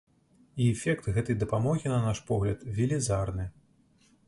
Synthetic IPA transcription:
iɛfʲɛkt̪ɣɛt̪ɐjd̪ɐpamɔɣʲinɐnaʂpɔɣlʲɐt̪vʲilʲizarnɨ

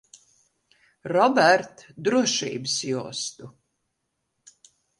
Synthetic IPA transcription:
ɾɔbæɾt̪d̪ɾuɔʃḭːbɨsjuɔst̪u

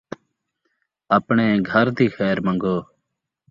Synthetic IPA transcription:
əpɳeːɡʱəɾd̪iːxɛːɾmə̃ŋɡoː

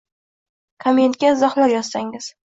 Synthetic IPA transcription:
kʰamie̞nt̪̚kʲaɪzɒχlaɾjɒ̥saŋɪz̥

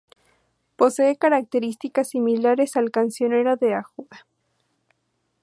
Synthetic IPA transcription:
poseekaɾak̚t̪eɾist̪ikasːimilaɾesalkansjoneɾaðeaxwa

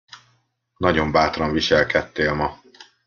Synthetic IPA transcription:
nɒɟo̞mbaːt̪rɒɱviʃɛlkɛt̪ːeːlmɒ

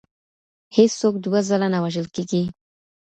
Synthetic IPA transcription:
hɪssok̚d̪uwazalanawaʒəlkeɡi

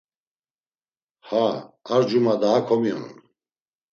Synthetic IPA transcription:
haaɾd͡ʒumad̪aːkʰɔmiɔ̰nṵn

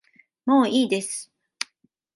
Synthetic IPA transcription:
mo̞ːiːd̪e̞sɨ̥

